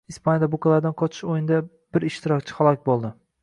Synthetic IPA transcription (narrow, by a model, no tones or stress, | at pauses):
ispʰanjad̪abʊkalaɾd̪anqʰɒt͡ʃʰɪ̥ʃojɪnd̪a | b̥ɪɾɪʃt̪ɪɾɒkʲt͡ʃʰɪ̥halˠɒkʲbolˠd̪ɪ